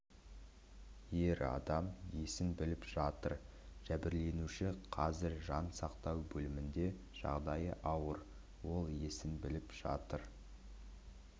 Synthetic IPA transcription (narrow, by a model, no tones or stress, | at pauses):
je̞ɾɑ̰d̪ɑmje̞sɪnbɪlɪpʒ̥ɑt̪əɾ | ʒ̥æbɪɾle̞nuʃɪqʰɑzɪɾʒɑnsɑqt̪ɑwbɵlɪmɪnd̪e̞ | ʒ̥ɑ̰ʁd̪ɑjəʔɑwəɾ | wo̞lˠje̞sɪnbɪlɪpʒ̥ɑ̰t̪əɾ